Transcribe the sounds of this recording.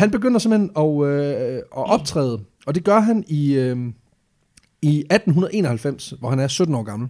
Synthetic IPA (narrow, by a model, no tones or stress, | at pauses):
hænb̥e̝ɡ̥øn̰ɐse̝mhenɒ̽øɒʔɒ̽b̥̚t͡sʰʁɛ̰ːðˠə | ɒ̽d̥e̝ɡ̥ɶɐɦæniø | iæd̥n̩ɦunɐðˠe̝ːnɒhælfem̰sʋɒhænæɐsød̥n̩ɒ̰ːɡ̥ɑ̈ml̩